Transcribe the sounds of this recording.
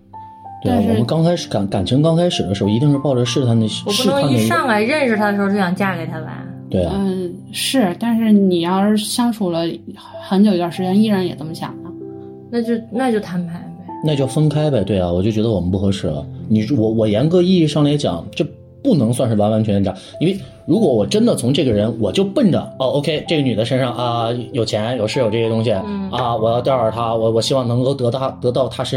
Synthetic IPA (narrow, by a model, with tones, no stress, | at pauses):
t̪we˥˩˥a˨˩wɔ̰˨˧mə˦nkɑ˥ŋkʰa˥ɪʂ̩˧˩ka˨˩˦nka˨˩nt͡ɕʰə˧˥ŋkɑ˥ŋkʰa˥ɪʂɻ̩˨˩d̪ə˦ʂɻ̩˧˥xo˧˩i˧˥t̪i˥˧ŋʂɻ̩˥˧pɑ˥˩ʊʈ͡ʂə˧˩ʂɻ̩˥˧t̪ʰa˥˩nd̪ə˧˥wɔ˨˩pʂu˥˩˥ə˥˧i˥˧ʂɑ˥˩ŋla˧˥ɪɻə˥˩nʂɻ̩˩t̪ʰa˧˥ə˩ʂɻ̩˧˥˧t͡ɕo˥˩jɑ˥˧ŋ˧t͡ɕja˥˩ke˨˩ɪt̪ʰa˥la̰˧˥ɪ | t̪we˥˩ɪ˨˧ | ʂɻ̩˥˩t̪a˥˧nʂɻ̩˥˩ni˨˩jɑ˥˩˥ɕjɑ˥ŋʈ͡ʂʰu˨˩lə˦ | xə˧˥njo˨˩ʊi˥t̪wa˥˧˩ʂɻ̩˧t͡ɕjɛ˥ni˥ɻa˧˥njɛ̰˨˩t͡sə˥˩mə˧ɕjɑ̰˨˩mɐ˦˥ | na˥˧t͡ɕjo˥˩ʊna˥˧t͡ɕjo˥˩ʊt̪ʰa˧˥npʰa˧˥ɪbe˧˩na˥˧t͡ɕjo˥˩ʊfə˥nkʰa˥ɪbe˨˩t̪we˥˩ɪɐ˩wɔ˨˩t͡ɕjt͡ɕɥɛ˧˥d̪wɔ˨˩mə˦npu˥˩xɤ˧˥ʂɻ̩˥˩lə̰˩ni˨˩˥wɔ˨˧˥wɔ˨˩jɛ˧˥nkɤ˧˥i˥˧i˥˧ʂɑ˥˩ŋla˧˥ɪt͡ɕjɑ̰˨˩˦ŋt͡ɕjo˥˧ʊ | pu˥˩nɤ˧˥ŋswa˥˧nʂɻ̩˥˩wa˧˥wa˧˥nt͡ɕʰy˧˥n˥˩t͡ɕʰjɑ̰˨˥˦ŋi˥we˥˧ɪ | ɻu˧˥kwɔ˧˥wɔ˨˩ʈ͡ʂə˥nd̪ə˨t͡sʰʊ˧˥ŋʈ͡ʂɤ˥˩ɡə˩ɻə˧˥nwɔ˨˩t͡ɕjo˥˧ʊpə˥˩nʈ͡ʂə̰˩o˥˧o˥ʊkʰe˥ɪʈ͡ʂɤ˥˩ɡə˩ny˨˩d̪ə˦ʂə˥nʂɑ˥˩ŋʔɐ˧jo˨˩ʊt͡ɕʰjɛ˧˥njo˨˩ʊʂɻ̩˥˩jo˨˩ʊʈ͡ʂɤ˥˩ɛ˥t̪ʊ˥ŋɕ̬i˩ɐ˧wɔ˨˩jɑ˥˧t̪jɑ˥˧ə˨˩t̪ʰa˥wɔ˨˩wɔ˨˩ɕi˥wɑ˥˩ŋnɤ˧˥ŋko˥˧ʊt̪ɤ˧˥t̪ɑ˥˩t̪ɤ˧˥t̪ɑ˥˩ʊt̪ʰa˥ʂə˥